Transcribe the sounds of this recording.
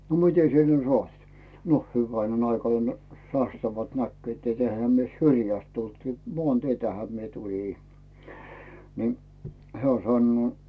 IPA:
no mitʲe sie ne sŏɑit no hyʋæinen ɑikɑne̥ sɑstɑʋɑlt nækːy̆øˑt et eĭhæ myø syrjæst tult mŏɑˑnteitæhæ mie tulʲiˑ ni heæˑ sɑnːuoˑ

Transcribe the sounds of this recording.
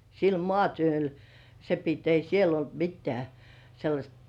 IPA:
sil mŏɑˑtyøl se pit ei siel olt mitːĕæˑ selːɑsʲt

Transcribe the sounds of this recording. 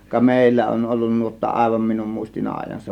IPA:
kɑ meˑilːæ on olːun nuotːɑ ʔɑˑe̝ʋɑm minum muistin ɑːĭjˑɑn se

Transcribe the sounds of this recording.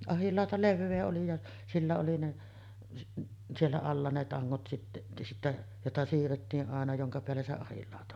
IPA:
ɑhilːɑˑotɑ leʋːeː oli jɑ silːæ oli ne sielːæ ɑlːɑ ne tɑŋːot sitːe sitːæ jotɑ siːrːetːiːʔ ʔɑˑenɑ joŋkɑ peælːæ se ɑhilːɑˑotɑ

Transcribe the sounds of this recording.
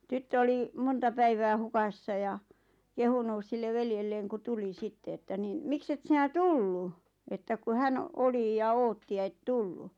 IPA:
tytːø oli montɑ pæiʋæː hukɑsːɑ jɑ kehunuˑs silːe ʋeljelːeːŋ ku tuli sitːe etːæ niːn mikset sinæ tulːu etːæ ku hæn oli jɑ oːtːi jɑ et tulːu

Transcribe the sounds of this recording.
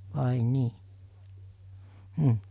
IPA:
ʋɑˑi niː m̩

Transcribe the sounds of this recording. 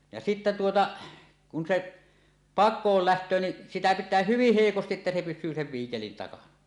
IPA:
jɑ sitːæ tuotɑ kun se pɑkˑoːl læhtˑøː ni sitæ pitˑæː hyʋih heˑikostiʔ ʔetːæ se pysˑyː seʋ ʋiːkelin tɑkɑnɑ

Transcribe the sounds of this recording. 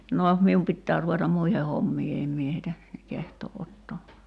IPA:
no mium pitːæː ruʋetɑm muihe homːiː em mie heitæ kehtoːʔ ʔotːoː

